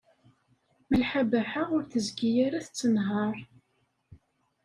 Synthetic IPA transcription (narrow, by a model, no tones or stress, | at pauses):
məlħabæħaʊɾθəzɡijæɾæθt͡sːənɦɑɾˤ